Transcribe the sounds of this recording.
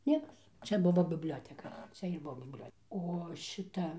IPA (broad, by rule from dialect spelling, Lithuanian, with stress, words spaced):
ˈnʲiɛkɐs ˈt͡ʃʲɛ ˈbʊʋoː bʲɪbʲˈlʲoːtʲɛkɐ ˈt͡ʃʲɛ ɪr ˈbuɔ bʲɪbʲˈlʲoːtʲ oː ˈʃʲɪtɐ